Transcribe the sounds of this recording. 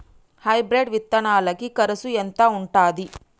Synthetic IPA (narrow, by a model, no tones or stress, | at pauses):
hɐjbɾeːɖʋit̪ːɐnaːlɐkikɐɾɐsuɛnt̪ɐuɳʈaːd̪i